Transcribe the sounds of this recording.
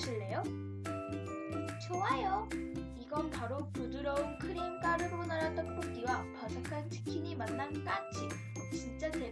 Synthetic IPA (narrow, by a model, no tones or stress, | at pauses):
ɕʰiɭːe̞jo | t͡ɕowajo | iɡʌnpaɾopudɯɾʌunkʰɯɾimk͈aɾɯɾonaɾat͈ʌnpʰoɡ͈iwapasakʰant͡ɕʰɯ̥kʰiɲimanːank͈ad͡ʑi | t͡ɕint͡ɕ͈ate